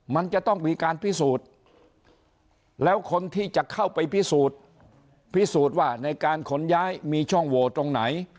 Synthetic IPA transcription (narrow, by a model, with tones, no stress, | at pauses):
ma˧nt͡ɕa˨˩ʔt̪ɔ˥˩ŋmiː˧kaː˧npʰi˥˩suː˨˩t̪̚ | lɛː˦˥wkʰo˧nt̪ʰiː˥˩t͡ɕa˨˩kʰa˥˩wpa˧jpi˦˥˩suː˨˩t̪̚ | pʰi˦˥˩suː˨˩t̪̚waː˥˩na˧jkaː˧nkʰo˩˦˥njaː˦˥jmiː˧t͡ɕʰɔ˥˩ŋwoː˧t̪ɾo˧ŋna˩˦j